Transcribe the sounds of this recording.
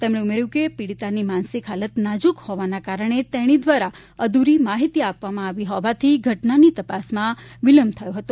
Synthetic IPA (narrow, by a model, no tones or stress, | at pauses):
t̪emɳeumeɾjũkepiɽit̪animãnsikɦalət̪nad͡ʒukhɔʋanakaɾəɳ̃et̪ɛɽ̃id̪ʋaɾa | əd̪uɾimaɦit̪iapʋamãaʋiɦɔʋat̪ʰiɡʱəʈnanit̪əpasmãʋiləmbt̪ʰəjoɦət̪o